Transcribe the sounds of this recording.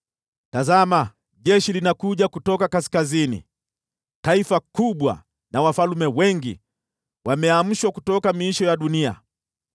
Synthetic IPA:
tazama | ʄɛʃilinakuʄakutɔkakaskazinḭ | taifakuɓwa̰ | nawafalumɛwɛŋɡḭ | wamɛam̩ʃwakutɔkamiiʃɔjaɗunia̰

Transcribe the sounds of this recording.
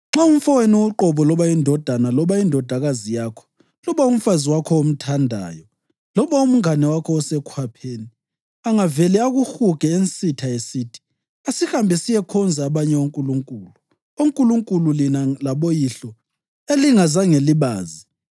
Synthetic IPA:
ŋ͡ǁauɱ̩fɔwenuːǃɔβɔlɔβaindʱɔd̥ʱanalɔβaindʱɔd̥ʱaɣazijakʰɔ̥ | lɔβaum̩faziwakʰɔom̩tʰandʱa̰ːjɔ | lɔβaum̩ŋanɛwakʰɔɔsɛkʰwapʰeːni | laŋavɛlɛaɣuhuɡ̥ʱɛent͡sʼitʰaesiːtʰi̥ | asihambʱɛsijɛkʰɔnd͡zʱaβaɲɛoŋkʼuluŋkʼuːlu | oŋkʼuluŋkʼululinalaβojiɬɔ | eliŋazaŋeliβaːzi

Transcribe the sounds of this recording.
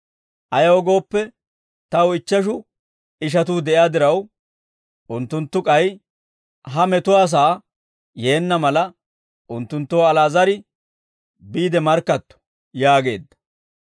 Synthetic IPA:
ʔɐjɐwɔɡo̞ːpːɛ | t̪ɐwɪt͡ʃːɐʃ̬ʊ | ɪʃ̬ɐt̪uːd̪ɛʔɪaːd̪ɪɾɐw | ʊnt̪ːʊnt̪ːʊkʼɐj | ɦɐmɛt̪ʊwaːs̬aː | jeːnːɐmɐlɐ | ʊnt̪ːʊnt̪ːoːɐlaːzɐɾɪ | biːd̪ɛmɐɾkːɐt̪ːɔ̥ | jaːɡe̞̰ːd̪ːɐ̥

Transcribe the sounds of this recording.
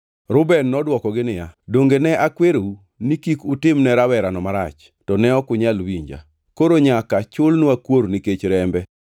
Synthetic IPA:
ɾʊbɛnːɔdwɔkɔɡɪnɪjadoŋɡenɛʔakweɾou | nikikʊtɪmnɛɾawɛɾanɔmaɾa̰t͡ʃ | tɔnɛɔkʊɲalwiɲd͡ʒa̰ | koɾoɲakat͡ʃʊlnwakwoɾniket͡ʃɾɛmbɛ

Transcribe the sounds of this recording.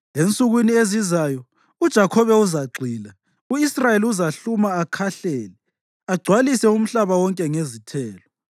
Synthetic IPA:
ent͡sʼuɣwiniezizaːjɔ | ud̥ʒ̥ʱakʰɔβɛuzaɡ͡ǀʱiːla | uisrajeliuzaɬumaːkʰaɬɛːlɛ | aɡ͡ǀʱwalisɛum̩ɬaβawɔŋkʼɛŋezitʰɛːlɔ

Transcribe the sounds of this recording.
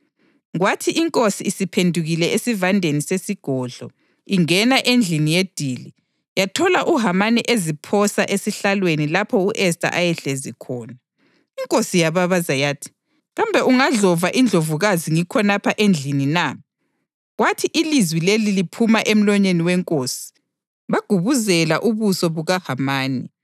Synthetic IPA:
ɣwatʰiʔiŋkʼosiːsipʰendʱuɣilɛesivandʱenisesiɡ̥ʱɔɮɔ̰ | iŋɛnaʔend͡ɮʱinijed̥ʱiːli | jatʰɔlaʔuɦamanɛʔezipʰɔsaʔesiɬalwenilapʰɔuʔɛstʼa̰ʔajɛɬezikʰɔːna | iŋkʼosijaβaβazajaːtʰi̥ | ɣambʱɛʔuŋaɮɔvaʔind͡ɮʱovuɣaziŋikʰɔnapʰaʔend͡ɮʱinina | ɣwatʰiʔilizwilelilipʰumaʔem̩lɔɲeniwɛŋkʼoːsi̥ | βaɡ̥ʱuβuzɛlaʔuβusɔβuɣahamaːni

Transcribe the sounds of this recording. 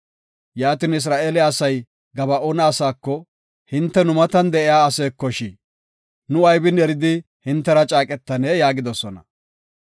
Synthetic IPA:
jaːt̪ɪnɪs̬ɾaːʔelɛɐsɐj | ɡɐbɐʔonɐːsaːkːɔ | hɪnt̪ːɛnʊmɐt̪ɐnd̪ɛʔɪjaːɐseːkːɔʃi | nʊɐjbɪnɛɾɪd̪ɪ | hɪnt̪ːɛɾɐt͡ʃʼaːkʼɛt̪ːɐneːjaːɡɪd̪ɔsɔnɐ̰

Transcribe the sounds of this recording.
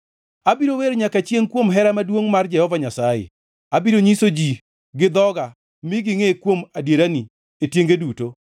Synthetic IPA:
abiɾoweɾɲakat͡ʃjeŋkwomɦɛɾamadwoŋmard͡ʒɛhɔvaɲasajḛ | abiɾoɲisod͡ʒi | ɡɪd̪ɔɡa | miɡɪŋekwomadjeɾani | etjeŋɡeduto

